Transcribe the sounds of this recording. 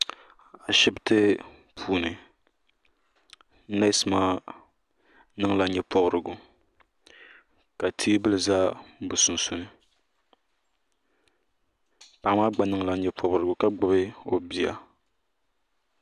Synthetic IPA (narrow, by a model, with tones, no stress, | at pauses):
a˨ʃɪ˦bɨ˦tɨ˦ | pʰuː˦nɨ˨˦ | na˦sɨ˨maː˦ | nɨ˦ŋ˦la˨˦ɲɛ˦pɔ˦bɾɨ˨ɡʊ˨ | ka˨tʰi˦bɨ˦lɨ˨zaː˦bɨ˨sʊ˨n̩˨sʊ˦nɨ˦ | pa˨˦maː˦ɡ͡ba˨nɨ˦ŋla˨˦ɲɛ˦pʰɔ˨bɾɨ˨ɡʊ˨ka˦ɡ͡bʊ˦bɨ˦o˦bi˦a̰˨